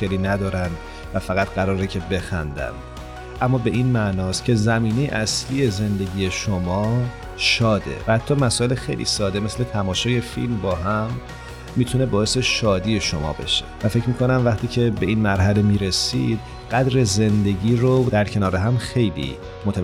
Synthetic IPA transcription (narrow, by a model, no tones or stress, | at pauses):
xeliːnæd̪ɒːɾænd̪ | væfæɣæt̪ʰɢæɾɒːɾecʰe̞be̞xæ̰nd̪æ̰nd̪ | ʔæmːɒːbe̞ʔiːnmænɒːst̪cʲʰe̞zæmiːnejḛʔæsliːje̞ze̞nd̪e̞ɟiːje̞ʃomɒː | ʃɒːd̪e̞̰væhæt̪ʰːɒːmæsɔːe̞lexejlʔḭːsɒːd̪e̞mesle̞t̪ʰæmɒːʃɒːje̞fḭlmbɒːɦæmː | iːt̪ʰune̞bɒːe̞seʃɒːd̪iːje̞ʃo̞mɒ̰ːbe̞̰ʃe̥̰væfe̞cmiːkʰo̞næmvæχt̪ʰiːcʰe̞be̞iːnmæɾɦæle̞miːɾe̞sḭːd̪̥̚ | ɢ̥æd̪ɾe̞ze̞nd̪e̞ɟiːɾod̪æɾcʰe̞nɒːɾeɦæmxe̞jlḭː | mot̪ʰæ